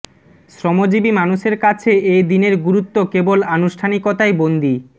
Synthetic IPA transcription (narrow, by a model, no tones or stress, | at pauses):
sɾɔmod͡ʑibimanuʃeɾkat͡ɕʰeejd̪ineɾɡuɾut̪ːokebolanuʃʈʰanikot̪aebond̪i